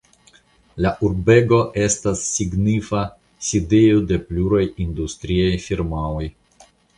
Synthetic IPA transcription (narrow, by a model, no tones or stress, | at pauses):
laʔuɾbe̞ɡo̞ʔe̞stasːiɡnifa | side̞jode̞pluɾajindustɾiajfiɾmaoj